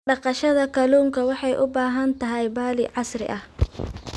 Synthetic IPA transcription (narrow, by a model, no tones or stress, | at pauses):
ɖɑqɑʃɐðɐkʰɐluːŋkʰɐwɑħɑjʔʊbaːɦɐnt̪ʰɐɦɛjbaːlɪʕɑsrɪ̰ʔɐh